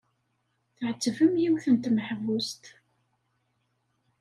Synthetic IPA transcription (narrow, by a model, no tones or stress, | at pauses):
θʕət͡sːəvəmjiwθənt̪məħvust̪